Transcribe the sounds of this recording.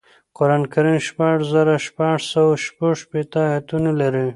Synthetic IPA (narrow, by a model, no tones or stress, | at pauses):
qoɾankaɾinʃpaʐzaɾaʃpɑʐsawaʃpaʐʃpet̪əhat̪unolaɾi